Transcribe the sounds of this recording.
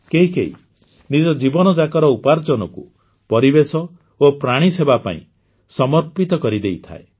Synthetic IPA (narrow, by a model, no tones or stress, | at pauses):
keɦikḛɦḭ | nid͡ʒɔd͡ʒibɔnɔd͡ʒakɔɾɔupaɾt͡ʃɔnɔkṵ | pɔɾibesɔ | opɾaɽ̃isebapa̰ḭ̃ | sɔmɔɾpit̪ɔkɔɾid̪ejt̪ʰa̰ḛ